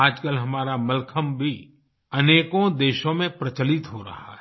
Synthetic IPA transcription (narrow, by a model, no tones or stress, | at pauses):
aːd͡ʒkəlɦɐmaːɾamɐlkʰəmbʱi | ɐneːkõd̪eːʃõmẽpɾɐt͡ʃəlɪt̪ɦoɾɐ̰ɦa̰ɦɛ